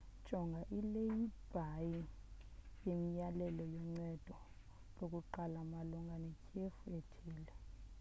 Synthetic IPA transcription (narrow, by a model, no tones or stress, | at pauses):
d̥ʒ̥ʱɔŋɡʱaʔilejib̥ʱaji | jemijalɛlɔjɔŋ͡ǀɛd̥ʱɔ | lok̬ʼuǃalamalɔŋɡʱanɛkʼʰiefuetʰiːlɛ